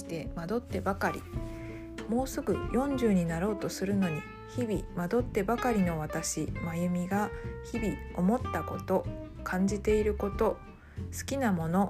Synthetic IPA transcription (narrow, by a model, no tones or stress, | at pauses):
i̥t̪e̞mad̪o̞t̪ːe̞bakaɾʲḭ | mo̞ːsɨɡɯ̟jõ̞ɲ̟d͡ʑɨːɲ̟inaɾo̞ːt̪o̞sɨɾɯ̟no̞ɲ̟i | çibʲimad̪o̞t̪ːe̞bakaɾʲino̞β̞at̪aɕimajɯ̟mʲiɡaçibʲio̞mo̞t̪ːako̞t̪o̞ | kʰãɲ̟d͡ʑit̪e̞iɾɯ̟ko̞t̪o̞ | sɨ̥kʲinamo̞no̞